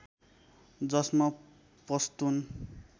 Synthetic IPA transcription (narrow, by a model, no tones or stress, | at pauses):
d͡zʌsmʌ | pʌst̪un